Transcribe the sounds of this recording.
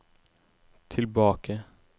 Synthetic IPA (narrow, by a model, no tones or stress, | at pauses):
t̪ʰɪlbɑːkə